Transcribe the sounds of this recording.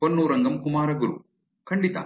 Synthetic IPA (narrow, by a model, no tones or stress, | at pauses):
pɐnːuːɾɐŋɡɐmkumaːɾɐɡuɾṵ | kɐɳɖit̪a̰ː